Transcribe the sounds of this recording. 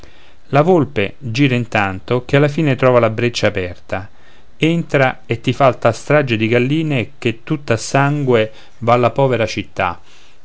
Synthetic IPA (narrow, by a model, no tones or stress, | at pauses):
lavolped͡ʒiːɾaint̪ant̪ok̟ealːafiːnet̪ɾɔːvalabɾet͡ʃːaːpɛrt̪a | ent̪ɾaet̪ːifalt̪ast̪ɾad͡ʒed̪iɡalːiːnek̟et̪ːut̪ːasːaŋɡwe | valːapɔːveɾat͡ʃit̪ːa̰